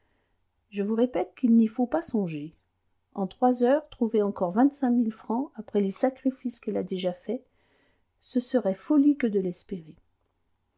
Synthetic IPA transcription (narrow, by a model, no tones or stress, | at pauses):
ʒəvuʁepɛt̪̚kʲilnifopasɔ̃ʒe | ɑ̃t̪χwazœʁt̪χuveɑ̃kɔʁvɛ̃t̪sɛ̃milfχɑ̃apχɛlesakχifiskɛlad̪eʒafɛ | səsəʁɛfɔlikəd̪əlɛspeʁe